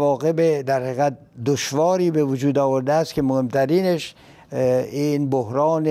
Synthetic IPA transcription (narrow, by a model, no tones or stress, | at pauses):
ɒːɣe̞bed̪æɾhæɣæt̪̚d̪oʃvɒːɾiːbevod͡ʒuːd̪ɒːvoɾd̪eæst̪̚kemohemt̪ʰæɾiːneʃ | iːnbohɾɑːne